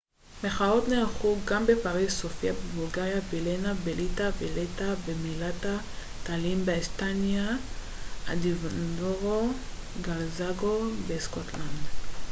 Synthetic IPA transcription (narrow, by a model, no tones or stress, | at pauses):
meχao̞tnelχuɡambe̞paʁizsofiabebulɡajavilenabelitaveletabemilata | t̪alimbeespanja | a̰divandoʁo | ɡalzaɡobeskotland̪